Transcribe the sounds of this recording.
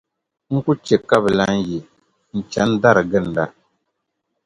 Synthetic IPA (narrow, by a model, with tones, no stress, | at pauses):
ŋ̩˦ku˦t͡ʃe˨ka˦bɨ˨la˦ŋ̩˦ji˨ | n̩˨t͡ʃa˨˦n˦da˦ɾɨ˨ɡɨ˦˨n̩˨da˦˨